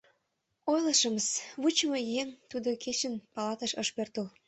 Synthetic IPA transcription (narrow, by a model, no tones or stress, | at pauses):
ojləʃə̆məsβut͡ɕmojemt̪ud̪oket͡ɕənpɑlɑt̪ə̆ʃəʃpørt̪əl